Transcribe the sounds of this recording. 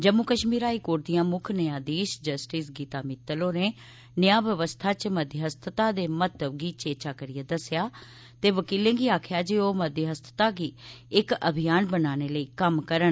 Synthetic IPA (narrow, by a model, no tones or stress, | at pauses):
d͡ʒəmukəʃmiːɾaːiːkoːɾd̪ijãːmʊkʰnəjaːd̪iːʃd͡ʒəsʈiːsɡiːt̪aːmɪt̪ːəloːneː | nəjaːʋjəʋəst̪ʰaːt͡ʃməd̪jəɦəst̪ʰət̪aːd̪eːmət̪əbɡiːt͡ʃeːt͡ʃaːkəɾɪjaːd̪əsːjaː | t̪eːʋəkiːlẽːɡiːaːkʰjaːd͡ʒiːoːməd̪jəɦəst̪ʰə̥t̪aːɡiːɪkə̰bʱɪjaːnbənaːneːləiːkəmkəɾən